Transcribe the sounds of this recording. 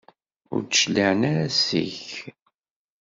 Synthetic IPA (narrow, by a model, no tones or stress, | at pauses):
ʊ̰ɾt͡sʃlaʕnaɾæsḭç